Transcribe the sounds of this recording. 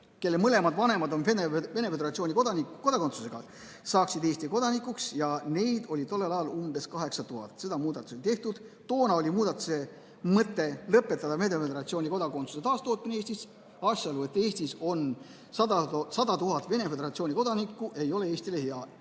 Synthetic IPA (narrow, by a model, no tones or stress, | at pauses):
ke̞lːemɤle̞mɑd̪vɑne̞mɑd̪o̞neneve̞ne̞feeɾɑt̪sionʲikod̪ɑniko̞d̪ɑkot̪su̥se̞ɡ̥ɑ | sɑːksid̪eːst̪iko̞d̪ɑnikːuksjɑne̞jd̪olʲit̪o̞lːelɑjɑlumb̥e̞skɑɦe̞ksɑt̪uɦɑ̰t̪ˑse̞d̪ɑmuːd̪ɑt̪ːˑu̥solit̪e̞ht̪ud̪̥t̪o̞ːnɑo̞lʲimuːd̪ɑt̪ːˑu̥se̞ | mɤt̪ːˑe̞lɤpːˑet̪ˑːɑd̪ɑmed̪efed̪eɾɑt̪sio̞ːnʲiko̞d̪ɑko̞nsu̥se̞t̪ɑːst̪o̞ːt̪̚mineeːst̪is | ɑːsjɑɑlue̞t̪ːˑe̞ːst̪iso̞n | sɑd̪̥ɑt̪uɦɑt̪ːˑve̞ne̞fe̞d̪eɾɑt̪sioːnʲiko̞d̪̥ɑnikːˑuʔe̞jo̞le̞e̞ːsʲt̪ileɦeɑ